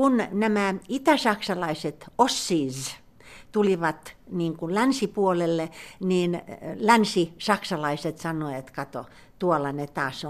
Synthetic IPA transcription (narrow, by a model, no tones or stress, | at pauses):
unnæmæit̪æsɑksɑlɑiset̪osːiːz | t̪uliʋɑt̪niːŋkulænsipuolelːeniːnlænsisɑksɑlɑiset̪sɑnːˑoet̪kɑt̪o̰ | t̪uolɑnet̪ɑːso